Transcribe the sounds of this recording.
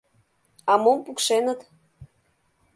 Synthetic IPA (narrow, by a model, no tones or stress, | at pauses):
ɑmompukʃenət̪